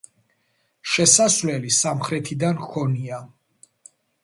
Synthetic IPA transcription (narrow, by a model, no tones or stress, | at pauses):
ʃɛsasvlɛlisamχɾɛt̪ʰid̪ankʰɔnia